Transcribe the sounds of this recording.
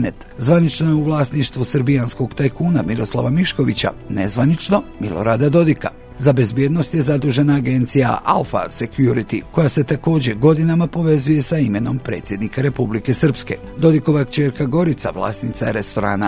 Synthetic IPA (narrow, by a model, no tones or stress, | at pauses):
net̪zʋanit͡ʃnojeuʋlˠaːsniʃt̪ʋusɾbijansko̞ɡt̪ajkuːnamiɾo̞slˠa̰ʋamiʃko̞ʋit͡ɕa̰ne̞zʋanit͡ʃno̞milo̞̰ɾad̪ad̪o̞d̪ika | zabe̞zbje̞ːd̪no̞st̪je̞zad̪uːʒe̞naːɡe̞nt̪sija̰ʔa̰ufa̰sekjuɾit̪iko̞jase̞t̪ako̞ːd͡ʑe̞ɡo̞d̪inamapo̞ʋe̞zuje̞saime̞no̞mpɾe̞ːt̪sʲjed̪nikaɾe̞publike̞sɨr̩pske̞̰ | d̪o̞d̪iko̞ʋakt͡ʃe̞ːɾkaɡo̞ɾit̪sa̰ʋlˠa̰ːsnit̪sajeɾe̞st̪o̞ɾa̰ːna